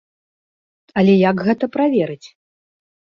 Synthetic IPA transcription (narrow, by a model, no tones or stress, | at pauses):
ɐlʲɛjakɣɛt̪ɐpɾavʲɛɾɨt͡sʲ